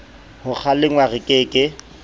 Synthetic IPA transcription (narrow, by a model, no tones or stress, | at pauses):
hʊk͡xʰalɪŋwarɪkʼeːkʼɪ